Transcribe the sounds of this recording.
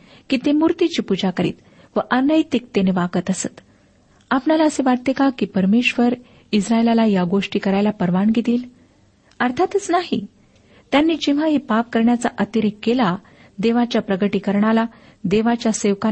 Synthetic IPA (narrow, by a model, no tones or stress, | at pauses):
kiːt̪emuɾt̪it͡ɕiːpud͡zakəɾḭːt̪ | ʋəʔənəjt̪ik̚t̪eneʋaɡət̪əsə̰t̪ | apnalaəseʋaʈt̪ekakiːpəɾmeʂʋəɾ | isɾaelalajaɡoʂʈiːkəɾajlapəɾʋaɳɡid̪iːl | əɾt̪ʰat̪ət͡snaɦḭ | t̪janːiːd͡ʑĩʋ̤aɦepap̚kəɾɳjat͡saʔət̪iɾikːela | d̪eʋat͡ɕjapɾəɡəʈiːkəɾɳala | d̪eʋat͡ɕjaseʋka